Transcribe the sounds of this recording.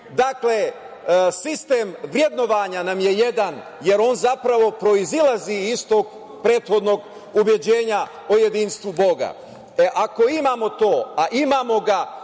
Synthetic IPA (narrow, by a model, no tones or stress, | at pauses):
d̪akle | sist̪e̞ːmʋɾje̞d̪no̞ʋaɲanamje̞je̞d̪an | je̞ɾo̞ːnzapɾaʋo̞pɾo̞izilaziist̪o̞k | pɾe̞ːt̪xo̞d̪no̞ɡ | ubje̞d͡ʑe̞ːɲa | oje̞d̪iːnst̪ʋubo̞ɡa̰ | eʔako̞imaːmo̞t̪o̞ːaʔimaːmo̞ɡa